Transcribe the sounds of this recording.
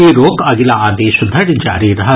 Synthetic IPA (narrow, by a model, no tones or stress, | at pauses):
iɾoːkɐɡɪlaaːd̪iʃʊd̪ʱəɽd͡ʒa̰ːɾiɾɐɦə